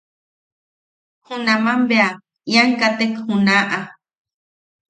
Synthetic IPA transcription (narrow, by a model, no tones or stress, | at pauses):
hũnamãmbea | jaŋkat̪ekhunaʔa